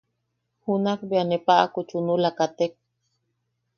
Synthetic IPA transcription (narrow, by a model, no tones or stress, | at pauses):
hunakbianepaʔakut͡ʃunulakat̪ek̚